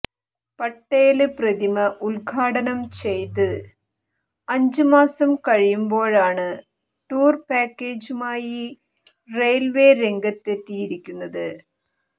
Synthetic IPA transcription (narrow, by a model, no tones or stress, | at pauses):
pɐʈːeːlɨprɐðimɐʔulɡʰʱaːɽɐnɐmt͡ɕe̞jt̪ɨ | ɐɲd͡ʑɨmaːsɐmkɐɻijumbo̞ːɻaːɳɨ | ʈuːrpaːkːeːd͡ʑumaːji | rejlʋe̞ːɾe̞ŋɡɐt̪ːet̪ːiːjiɾikʲːunːɐðɨ